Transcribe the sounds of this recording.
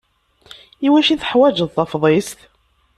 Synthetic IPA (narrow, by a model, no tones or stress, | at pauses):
iwæʃiθəħwæd͡ʒəðˤθɑfðˤest̪